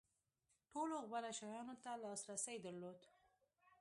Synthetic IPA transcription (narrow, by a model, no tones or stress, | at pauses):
ʈoloɣbalaʃɑjɑnot̪alɑsɾasəjd̪əɾlod̪